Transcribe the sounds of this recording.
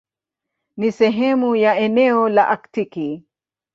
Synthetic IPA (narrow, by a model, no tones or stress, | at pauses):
nisɛɦɛmujaɛnɛɔlaʔaktiki